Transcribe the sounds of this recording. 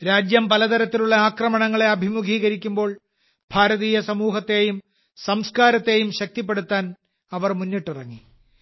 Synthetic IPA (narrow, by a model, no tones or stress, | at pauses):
ɾaːd͡ʑjɐmpɐlɐt̪ɐɾɐt̪ːiluɭːɐaːkrɐmɐɳɐŋːɐɭe̞ɐbʱimuɡʱiːɣɐɾikʲːumbo̞ːɭ | b̥ʱaːɾɐðiːjɐsɐmuːɦɐt̪ːe̞ːjum | sɐmskaːɾɐt̪ːe̞ːjumɕɐk̚t̪ip̬ːe̞ɽut̪ːaːn | ɐʋɐrmunːiʈːirɐŋːi